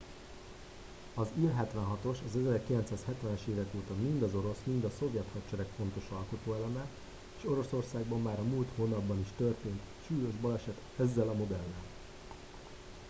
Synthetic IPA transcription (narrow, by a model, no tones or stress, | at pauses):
ɒzilɦɛt̪ʋɛnɦɒt̪o̞ʃɒzɛzɛrkilɛnt̪saːshɛt̪ʋɛnɛʃeːvɛkoːt̪ɒmmind̪ɒzo̞ɾo̞smind̪ɒso̞vjɛt̪hɒtt͡ʃɛɾɛkfo̞n̪t̪o̞ʃɒlko̞t̪oːɛlɛmɛ | eːʃo̞ɾo̞so̞rsaːɡbɒmːaːɾɒmuːlt̪hoːnɒbːɒniʃt̪ø̞rt̪eːnt̪ʃuːjo̞ʒbɒlɛʃɛt̪ | ɛzːɛlɒmo̞d̪ɛlːɛl